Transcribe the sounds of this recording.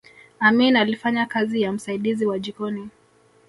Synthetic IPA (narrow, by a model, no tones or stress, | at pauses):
aminalifaɲakazijam̩saiɗiziwaʄikɔni